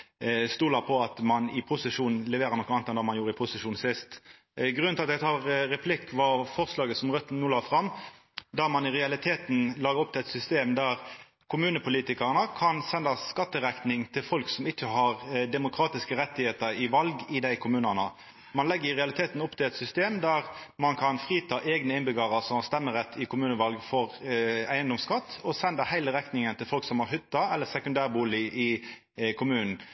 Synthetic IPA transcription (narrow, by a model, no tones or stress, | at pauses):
st̪uːlɑpʰɔɑt̪mɑnɪpʰʊsəʂuːnn̩lɛʋeːɾəʁnɔkːəɑnt̪ɛnd̪ɑːmɑnjuːɾəɪpʰʊsəʂuːnsɪst̪ | ɡɾʁʉnɪlɑt̪jɛɡt̪ʰɑːʁɾɛpʰlɪkːʋɑfɔʁslɑːɡəsɔmʁœt̪ːn̩nuːlɑːfʁɑmː | d̪æʁmɑnɪʁɛɑlɪt̪ʰeːt̪n̩lɑːɡəɾɔp̚t̪ɪlɛt̪sʏst̪eːmd̪æʁ | kʰʊmʉːnəpʰʊliːt̪ɪkɑʁənəkʰɑnsɛnd̪ɑskɑt̪ːəʁæk̪nɪŋt̪ʰɪlfɔlksɔmɪt͡ʃːəhɑʁd̪ɛmʊkʰɾɑːt̪ɪskəɾɛt̪ːɪheːt̪əɾɪʋɑlɡɪd̪æɪkʰʊmʉːnənə | mɑnlɛɡːəɾɪʁɛɑlɪt̪ʰeːt̪n̩ʊpt̪ʰɪlɛt̪sʏst̪eːmd̪æʁmɑnkʰɑnfʁiːt̪ʰɑːʔeːɡnəɪnbɪɡɑːʁəʁsɔmhɑst̪ɛmːəʁɛt̪ʰːɪkʰʊmʉːnəʋɑlɡfɔʁæɪənd̪ɔmskɑt̪ːɔsɛnd̪ɑhæɪləɾɛknɪŋənt̪ʰɪlfɔlksɔmhɑʁhʏt̪ːɑɛlːəsɛkʉnd̪æːʁbuːlɪʔɪ | kʰʊmʉːnn̩